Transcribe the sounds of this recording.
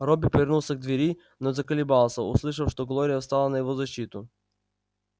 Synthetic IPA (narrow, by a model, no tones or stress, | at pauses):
ɾɔbipɛɾnulˠsɛɡ̚d̪viɾi | nɔzɐkɐlibalˠsaṵslˠiʃ̬ɐfʃt̪ɔɡlˠɔɾiast̪alˠanaɛvɔzɐʃit̪ʊ